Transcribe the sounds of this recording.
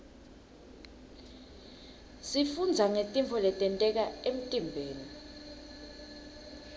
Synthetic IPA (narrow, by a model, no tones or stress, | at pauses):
sifund͡zʱaŋetʼimpʰɔlɛtʼɛntʼɛk̬aem̩tʼimbʱeːni